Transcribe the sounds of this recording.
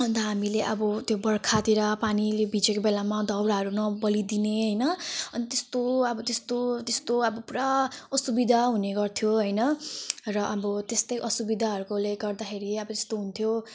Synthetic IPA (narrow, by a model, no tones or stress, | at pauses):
ʌnt̪ʌɦamileʔʌbʌt̪jobʌɽkʰat̪eɾʌpanilebʱid͡zekobelamad̪ʱʌwɾaɦʌɾunʌbʌlid̪ineɦʌjnʌʌnit̪est̪oʌbʌt̪est̪ot̪est̪oʌbʌpuɾaʌsubid̪ʱaɦuneɡʌrt̪ʰjoɦʌjnʌrʌʔʌbʌt̪est̪ʌjʔʌsubid̪ʱaɦʌɾukoleɡʌrd̪akʰeɾiʌbʌt̪e̥st̪oɦunt̪ʰjo